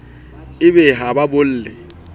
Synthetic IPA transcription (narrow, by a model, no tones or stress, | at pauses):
ɪbɛɦababʊl̩ːlɪ